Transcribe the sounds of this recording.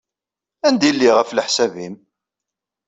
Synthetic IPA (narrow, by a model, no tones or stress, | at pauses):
ænd̪ilːiʁəfləħsævim